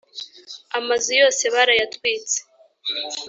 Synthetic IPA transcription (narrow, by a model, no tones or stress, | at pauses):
amazujo̞ːse̞βaɾajatwiːt͡se̥